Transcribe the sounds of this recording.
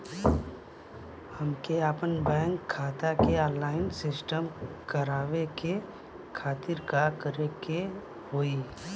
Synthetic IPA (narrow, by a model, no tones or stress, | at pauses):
həmkeaːpənbɛ̃ːŋkʰːaːt̪akeɔːlaːɪnsɪsʈəmkəɾaːʋeke | kʰaːt̪ɪɾkakəɾeke | hoːi